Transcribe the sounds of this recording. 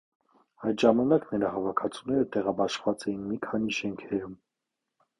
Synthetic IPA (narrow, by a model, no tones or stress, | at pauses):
ɑjt̪ʒɑmɑnɑknəɾɑhɑvɑkʰɑt͡sʰunɛɾət̪ɛʁɑbɑʃvɑt͡sɛjinmikʰɑniʃɛŋkʰɛɾum